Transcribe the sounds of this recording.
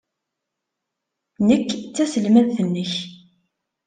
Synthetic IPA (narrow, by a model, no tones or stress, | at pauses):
nəkːt͡sːæsəlmæðθənːəç